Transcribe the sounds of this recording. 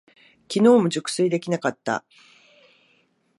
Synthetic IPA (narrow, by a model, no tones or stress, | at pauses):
kʲino̞ːmo̞ʑɨkɯ̟̥sɨid̪e̞kʲinakat̪ːa̰